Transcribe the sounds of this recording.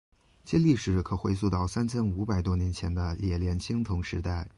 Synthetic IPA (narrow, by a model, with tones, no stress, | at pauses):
t͡ɕʰɛ˥nli˥˩ʂɻ̩˨˩kʰɤ˨˩xwe˥ɪsu˥˧t̪ɑ˥˩ʊsa˥nt͡ɕʰɛ˥nu˧˥pa˨˩ɪt̪wɔ˥njɛ˧˥nt͡ɕʰjɛ˧˥nd̪ə˧jɛ˨˩ljɛ˧˥nt͡ɕʰi˥ŋt̪ʰʊ˧˥ŋʂɻ̩˧˥t̪a˥˩ɪ